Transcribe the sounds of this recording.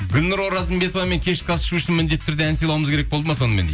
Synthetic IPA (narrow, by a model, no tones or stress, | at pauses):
ɡʲʊlʲnʊɾwo̞ɾɑzəmbe̞t̪o̞vɑme̞ŋkʲʰe̞ʃqʰɑsə̥ʃuʊʃɪnmɪnd̪et̪ːʰʏɾd̪eænsijlˠɑwuməzkʰʲeɾekbo̞lˠd̪əmɑso̞nəme̞nd̪e